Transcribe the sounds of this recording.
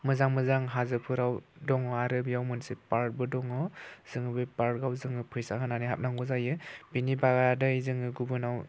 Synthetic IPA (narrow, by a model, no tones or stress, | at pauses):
mɯzaŋmɯzaŋɦazɯpʰɯɾawdɔŋɔaɾɯbjawmɯnsepaɾt̚bɯdɔŋɯz̥ɯŋɯbɯpaɾt̚ɡawzɯŋɯpʰɯjsaɦɯnaniɦa̰p̚naŋɡɯzajɯbinibaɡaadɯizɯŋɯɡubɯnaw